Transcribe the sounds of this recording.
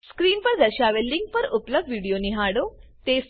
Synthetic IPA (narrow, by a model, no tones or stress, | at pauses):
skɾiːnpəɾd̪əɕaʋelːiŋk̚pəɾupləb̚ʋiːɽijoniɦaɽot̪es